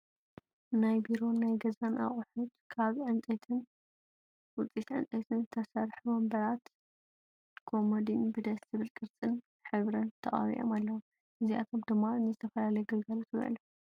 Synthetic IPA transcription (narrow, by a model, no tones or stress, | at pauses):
najbiɾo̞najɡɐzanʔa̰χʼħut̪kʰaβʕɨnt͡sʼɐt̪ʰɨn | wʊt͡sʼːit̪ʕɨ̰nt͡sʼɐt̪ʰɨnt̪ʰɐsɐɾħumɐmbɐɾat̪ | kʰo̞mod̪inbɨd̪ɐst̪ɨβɨlkʼɨɾt͡sʼɨn | ħɨβɾɐnt̪ʰɐχʼa̰βḭʔo̰malːɐwum | ʔɨziʔa̰t̪ʰo̞md̪ɨmːaɨnːɨzɨt̪ʰɐfɐlalɐjɡɐlɡɐlot̪ʰβ̰ʕ̰lɐ